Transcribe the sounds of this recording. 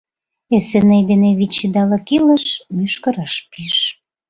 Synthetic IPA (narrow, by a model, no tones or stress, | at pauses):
esenejd̪eneβit͡ɕːid̪ɑlə̆kilə̆ʃmyʃkə̆ɾɑʃpiʃ